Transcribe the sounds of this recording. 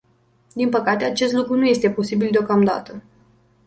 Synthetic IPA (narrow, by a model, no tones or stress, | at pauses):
d̪inpəkat̪e̞at͡ʃe̞st̪lukɾunuje̞st̪e̞po̞sibild̪eo̞kamd̪a̰t̪ə